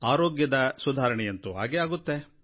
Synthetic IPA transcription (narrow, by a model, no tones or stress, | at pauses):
aːɾoːɡjɐd̪ɐsud̪ʱaːɾɐɳɛjɐnt̪uɦa̰ːɡeaːɡut̪ːe̞